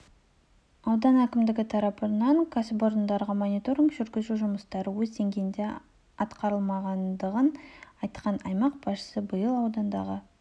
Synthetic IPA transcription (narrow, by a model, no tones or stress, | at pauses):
ɑwd̪ɑnækʲɪmd̪ɪɡʲɪt̪ʰɑɾɑpənɑŋkʰasbo̞ɾnd̪ɑɾʁəmo̞nʲit̪o̞ɾʲiŋkʒʏɾɡʲɪzuʒʊməst̪ɑɾəwɵzt̪e̞ŋɡʲend̪e̞ | ɑt̪qɑɾəlˠmɑʁɑnd̪əʁənɑjt̪qɑnɑjmɑq̚bɑʃə̥səbəjəlˠɑwd̪ɑnd̪ɑ̰ʁə